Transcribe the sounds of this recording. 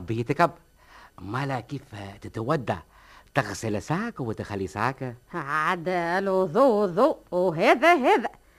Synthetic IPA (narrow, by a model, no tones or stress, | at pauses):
bijit̪ɪkab | malakift̪ɪt̪awad̪ːa̰ | t̪aɣsɪlsaːkawɪt̪ɪxalːisaːkaʕad̪lwʊðˤuːwʊðˤuːʔwɦeːðæɦeːðæ